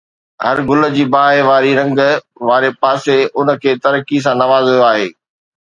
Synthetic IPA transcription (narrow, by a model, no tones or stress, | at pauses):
hɐɾɡʊlə̆d͡ʑiːbaːɦeʋaːɾiɾɐ̃ŋɡ | ʋaːɾepaːseʊnə̆kʰeːt̪ɐɾkis̬ãnɐʋaːzɦijoaːɦeː